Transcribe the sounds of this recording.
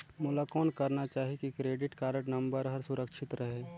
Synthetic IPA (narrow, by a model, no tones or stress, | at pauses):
mulakɔːnkɐɾnat͡ʃaːɦikikɾeːɖɪʈkaːɾə̃ʈnɐ̃mbəɾɦɐɾsʊɾəkʃɪt̪ɾɐɦeː